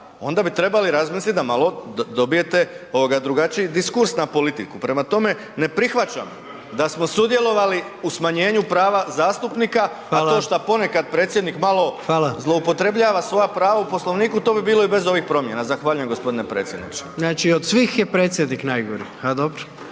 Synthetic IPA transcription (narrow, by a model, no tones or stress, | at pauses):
o̞nd̪abit̪ɾe̞baliɾazmiːslit̪d̪amalˠo̞d̪obije̞t̪e̞ | o̞ʋoɡad̪ɾuɡat͡ʃijid̪iskuɾsnapo̞lit̪ikupɾe̞mat̪o̞me̞ | ne̞pɾixʋat͡ʃa̰m | d̪asmo̞sud̪je̞lˠo̞ʋali | usmaɲe̞ːɲupɾaːʋazaːst̪upnika | alo̞ːʃt̪apo̞ne̞kad̪̚pɾet̪sjed̪nikmalˠo̞xalazlˠo̞upo̞t̪ɾe̞bʎaːʋasʋo̞japɾaːʋaupo̞slo̞ʋniːkut̪o̞ːbibiːlo̞ibe̞zo̞ʋixpɾo̞mje̞nazaxʋaːʎuje̞mɡo̞spo̞d̪inepɾe̞ːt̪sje̞d̪nḭt͡ʃe̥znat͡ʃiod̪sʋiːxjepɾeːt̪sʲjed̪niknajɡoɾi | ad̪obɾo